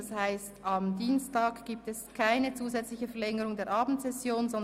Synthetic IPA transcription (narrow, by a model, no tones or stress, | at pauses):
shaɪstɑmdiːnstaːkɡ̥iːp̚tɛskʰaɪnət͡suːzɛt͡slɪçəfɛɐlɛŋəʁʊŋdeːɐɾʔɑːbm̩tz̥ɛsjoːnzɔn